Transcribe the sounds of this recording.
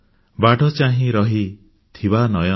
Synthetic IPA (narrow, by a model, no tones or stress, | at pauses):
baɖɔt͡ʃaɦĩɾɔɦi | t̪ʰibanɔjɔ